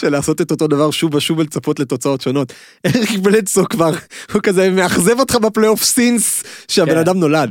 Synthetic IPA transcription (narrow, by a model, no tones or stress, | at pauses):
ʃelaːso̞tetoto̞davaʁʃuvaʃuvelt͡safo̞tleto̞t͡sao̞tʃo̞no̞t | eχibelesokvaʁhukazemeaχzevotχabeplejofsinsʃeabenadamno̞lad